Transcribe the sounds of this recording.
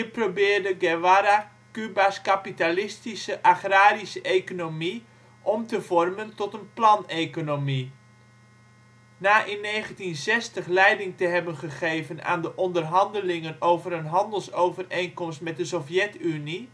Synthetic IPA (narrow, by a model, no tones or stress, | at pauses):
iprowbɪːrdəɡɛwaɾa | kybaskapitalɪstisəʔaχraːɾisəʔejkonomi | ʔɔmtəvɔrməntɔtənplɑnejkonomi | naːʔɪnːejχəntinzɛstəχlɛjdɪŋtəɦɛbənχəχejvəna̰ːndəʔɔndərɦɑndəlɪŋənowvəɾənɦɑndəlˠsowvərejnkɔmstmɛt̚dəsɔfjɛtyni